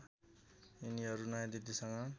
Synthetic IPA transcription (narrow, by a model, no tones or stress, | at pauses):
iniɦʌɾunʌjãd̪id̪isʌŋʌ